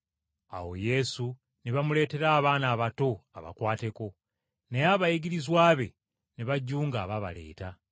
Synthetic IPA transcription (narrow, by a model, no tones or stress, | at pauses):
a̰wo̞̰je̞su | neβamule̞ːte̞ɾaːβaːnaːβato̞a̰βa̰kwaːteko̞ | nejaːβajiɡiɾizwaːβe̞̰ | neβaɟːuːŋɡaːβaβa̰le̞̰ːta